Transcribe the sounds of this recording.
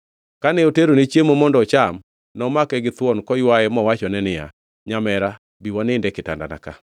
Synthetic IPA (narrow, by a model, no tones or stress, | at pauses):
kanɛoteɾonet͡ʃjemomɔndɔt͡ʃam | nɔmakɛɡɪt̪wɔnkɔjwajɛmɔwat͡ʃɔnɛnɪja̰ | ɲamɛɾa | biwanɪndɛkɪta̰nda̰na̰ka